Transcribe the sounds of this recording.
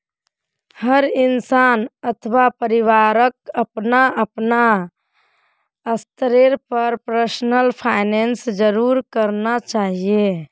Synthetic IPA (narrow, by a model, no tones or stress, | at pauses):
həɾinsanət̪ʰʋapəɾiʋaɾək̚əpnaəpna | əst̪ɾeɾpəɾpɾəsnəlpʰaɪnensd͡ʒəɾuɾkəɾnat͡ʃaɦie